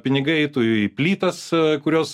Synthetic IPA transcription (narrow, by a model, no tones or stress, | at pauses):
pʲɪnʲɪɡɐɪɛɪt̪uɪpʲlʲiːt̪ɐskʊɾʲoːs